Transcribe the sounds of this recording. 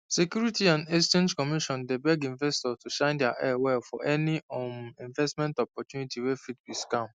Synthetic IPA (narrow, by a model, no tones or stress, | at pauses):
sekjuɹitiãndest͡ʃẽnd͡ʒkɔmiʃɔ̃ndebɛɡĩɱvɛstɔstuʃãɪ̃ndɛaʔɛwɛlfɔʔɛniɔĩɱvɛstmɛ̃ntɔpɔtjunitiwefit̚biskãm